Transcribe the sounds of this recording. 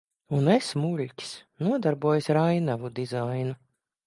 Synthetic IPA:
unesmulʲcʲsnuɔd̪aɾbuɔjsɾajnavud̪izajnu

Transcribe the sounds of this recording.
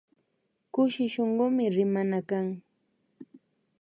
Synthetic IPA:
kʊʃɪʃoɴɢomɪɾɪmanakaŋ

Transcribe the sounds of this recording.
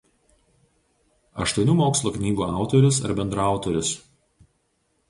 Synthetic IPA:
ɐ̰ʃt̪uɔnʲuːmoːkslˠoːknʲiːɡuːɑˑʊt̪oːɾʲʊsɐ̰ɾbʲɛnd̪ɾɑˑʊt̪oːɾʲʊs

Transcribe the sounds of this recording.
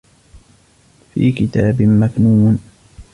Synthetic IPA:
fḭːkɪt̪aːbɪmaknuːn

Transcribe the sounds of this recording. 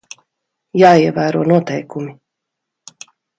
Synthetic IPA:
jaːiɛvæːɾuɔnuɔt̪ɛjkumi

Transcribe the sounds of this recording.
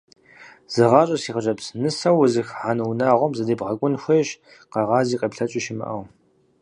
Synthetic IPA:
z̥ɨʁɑːɕʼɐsiːʁəʒʼɐpsnɨsɐwʊzɨxħanɐwnaːʁʷɔmzɐdeːbʁɐkʷʼʊnxʷeːɕ | qɐʁɑːziːqʼepɬɐt͡ʃʼɪʃɪmɨ̰ʔɐ̰w

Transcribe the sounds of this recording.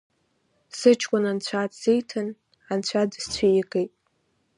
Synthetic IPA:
sɨt͡ʃʰkʷʼʊnant͡ɕʷʰatsejtʰɨn | ant͡ɕʷʰadst͡ɕʷʰajɪɡʼejtʼ

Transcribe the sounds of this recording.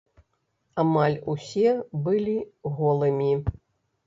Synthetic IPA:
amalʲusʲɛbɨlʲiɣɔlˠɨmʲi

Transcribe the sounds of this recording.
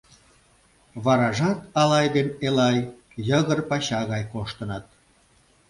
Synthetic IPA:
βɑɾɑʒɑt̪ɑlɑjd̪enelɑj | jəɣərpɑɕɑɣɑjkoʃt̪ə̆nɑt̪̚

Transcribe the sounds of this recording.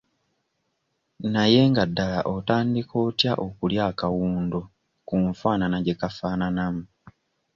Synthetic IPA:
naje̞ŋɡadːalaʔotaːndikʰo̞ːtjaʔo̞kuljaːkawuːndo̞ | kuːɱfaːnanaɟekafananamu

